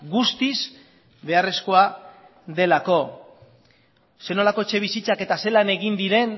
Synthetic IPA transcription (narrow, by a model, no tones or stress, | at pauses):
ɡust̪iz | βe̞are̞sko̞a | ðe̞lako̞ | se̞no̞lako̞et͡ʃe̞β̞isit͡sake̞t̪ase̞lane̞ɣind̪iɾe̞n